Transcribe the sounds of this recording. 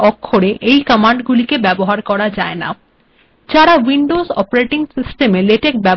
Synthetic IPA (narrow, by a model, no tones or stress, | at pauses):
ɔkʰːoɽeʔejkəmaɳɖɡulikebɛboɦaɾkɔɾad͡ʑaena̰ | d͡ʑaɾawiɳɖozɔ̰paɾeʈiŋsisʈemeleʈek̚bɛb